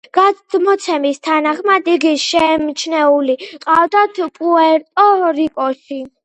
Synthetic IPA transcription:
ɡ̥amɔt̪sʰɛmist̪ʰanaχmad̪iɡiʃɛmt͡ʃʰnɛuliqʼavd̪at̪ʰpʼuɛɾt̪ʼɔɾikʼɔʃi

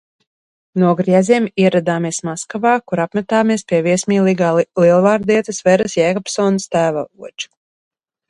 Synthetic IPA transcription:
nuɔɡɾiɛziɛmiɛɾad̪aːmiɛsmaskavaːkuɾapmɛt̪aːmiɛspʲiɛviɛsmiːliɡaliɛlˠvaːɾd̪iɛt̪ɨsvɛɾɨsjɛkɔpsɔːnɐst̪æːvavuɔt͡ʃu̥

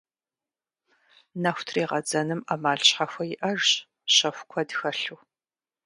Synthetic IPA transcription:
nɐxʷtʰriːʁɐd͡zɐnɨmamaːɮɕħaxʷɐjɪʔɐrɕ | ɕɐxʷkʷʰɔdxɐɬuː

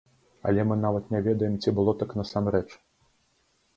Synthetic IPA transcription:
ɐ̰lʲɛmɨn̪avɐt̪nʲɛvʲɛd̪ɐjɛmt͡sʲibɨlˠɔt̪aknɐsamɾɛt͡ʂ

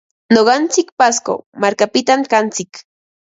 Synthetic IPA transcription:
noɢɑnt͡sɪkpasko̰maɾkapɪt̪amkant͡sɪk

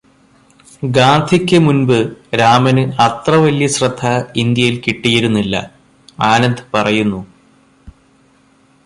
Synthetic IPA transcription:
ɡaːnd̪ʰʱikʲːɨmunbɨɾaːmɐnɨɐt̪rɐʋɐljɐɕrɐd̪ʱːaind̪jɐjilkiʈːijɐɾunːilːɐ̰ | aːnɐnd̪ʱɨpɐrɐjunːu

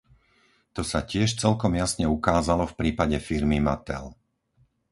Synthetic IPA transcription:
t̪ɔsacɪɛʃt͡sɛlkɔmjasɲɛukaːzalɔfpɾiːpaɟɛfiɾmimat̪ɛ̰l

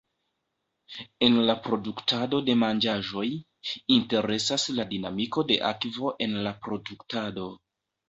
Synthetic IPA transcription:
e̞nlapɾo̞duktado̞de̞mand͡ʒaʒo̞j | inte̞ɾe̞sasladina̰miko̞de̞̰ʔa̰kvo̞ʔe̞nlapɾo̞duktado̞

